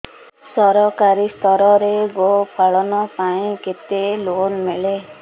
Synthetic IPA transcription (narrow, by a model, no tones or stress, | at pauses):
sʌɾɔkaɾist̪ʌɾʌɾeɡopʰaɭɔnɔpaĩket̪elonmele